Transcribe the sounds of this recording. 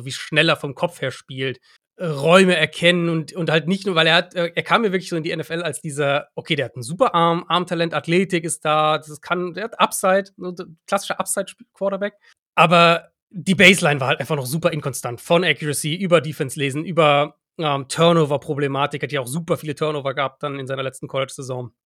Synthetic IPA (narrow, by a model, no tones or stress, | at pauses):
viːʃnɛleːɐfɔmkʰɔp͡fheːɐʃpiːlt | ʔʁɔʏməɛɐkʰɛnənʊntʊnthaltnɪçtnuːɐvaɪleːɐhatɛːʔeːɐkʰaːmiɐvɪɐklɪçszoːɪndiːɛnɛfɛlalsd̥iːzɐʔokʰeːdɾeːɐhatn̩zuːpɐʔaɐmʔaɐmtʰalɛntatʰleːtɪkɪst̚d̥aːdasskʰandeːɐhatʔapz̥aɪtzokʰl̥asɪ̥ʃəʔapz̥aɪtʃpiːlkʰv̥ɔːtɐbɛk̚ | ʔaːbɐ | diːbɛɪslaɪnvaːɐhaltʔaɪnfaχnɔχxz̥uːpɐɪnkʰɔnstʰantfɔnʔɛkjuʁəsiːʔyːbɐdiːfɛnsleːzn̩ʔyːbɐ | ʔɛːmtʰœɐnoːvɐpʁ̥oblɛmaːtɪkhatjaaʊxz̥uːpɐfiːlətʰœɐnoːvɐɡəhaːp̚t̚d̥anɪnzaɪnɐlɛt͡stn̩kʰɔlɪt͡ʃz̥ɛzɔ̃ŋ